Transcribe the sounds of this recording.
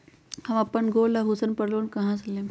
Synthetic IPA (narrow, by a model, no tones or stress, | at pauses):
hãʋapːəɳɡolaɦusənpəɽloːnkaɦãslem